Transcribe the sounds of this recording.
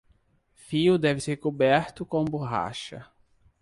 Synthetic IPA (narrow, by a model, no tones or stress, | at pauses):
fiʊd̪ɛvɪseɾkobɛɾt̪ʊkõboɦa̰ʃɐ̰